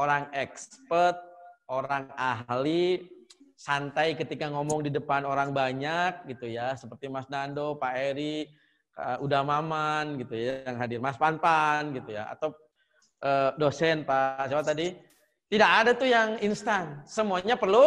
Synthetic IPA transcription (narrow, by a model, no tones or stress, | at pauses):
oɾaŋɛkspərt̪̚oɾaŋaɦli | sant̪ajkət̪ikaŋomɔŋdidəpanoɾaŋbaɲak̚ɡit̪ujasəpərt̪imasnandopaeɾi | ʔudamamanɡit̪ujjajaŋɦadɪrmaspanpanɡit̪uja̰a̰t̪aw | ʔəːdosɛnpasiapat̪adi | t̪idakadat̪ujaŋinst̪ansəmuaɲapərlu